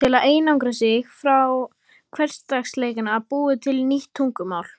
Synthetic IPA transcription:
ɪlaðeːjnawŋkɾasɪxfɾaw | kʰvɛr̥st̪t̪aksleːjkɪnapuːɪt̪ʰɪlniht̪ʰːuŋkʏmaːwl̥

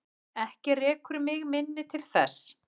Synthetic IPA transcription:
ɛhcɪrɛːkʏɾmɪɣmɪnːɪt̪ʰɪlθɛs

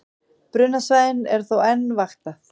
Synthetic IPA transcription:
pɾʏːnasvaːjðɪnɛɾ̥θowɛnːvaxt̪a

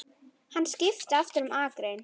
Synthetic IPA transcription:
hanːscɪft̪aft̪ʏɾʏmaːkɾejn

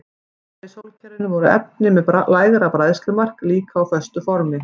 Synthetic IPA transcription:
θesowlcʰɛɾɪnːɪvɔɾʏɛ̰p̚nɪmɛðalaːjðɛɾapɾaːjðst̪lʏɾmar̥kliːkaːwfœst̪ʏfɔɾmɪ

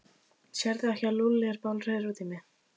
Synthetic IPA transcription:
sɛɾðɪɛhcalulːɛɣɾpawlr̥œːðɪɾuːt̪ɪmɛ

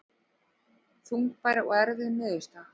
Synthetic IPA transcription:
θuŋk̚pajɾɪɔ̰ɣɛɾðɪðmɪːðʏst̪a

